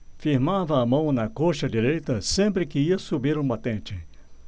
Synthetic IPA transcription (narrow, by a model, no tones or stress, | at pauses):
fiɾmavɐːmɐ̃w̃nɐkoʃɐd͡ʒiɾejt̪ɐsẽmpɾɪkɪiɐsubiɾũbat̪ẽt͡ʃɪ